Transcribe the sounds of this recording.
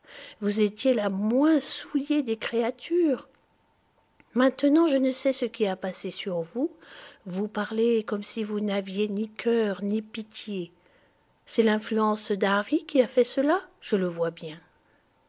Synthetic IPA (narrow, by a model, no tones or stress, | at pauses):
vuzet̪jelamwɛ̃sujed̪ekχeat̪ʰyːʁ | mɛ̃t̪ənɑ̃ʒənəsɛsəkʲiapasesyʁvuvupaʁlekɔmsivunavjenikʲʰœʁnipit̪je | sɛlɛ̃flyɑ̃sd̪aʁikʲiafɛsəlaʒ̥ələvwabjɛ̃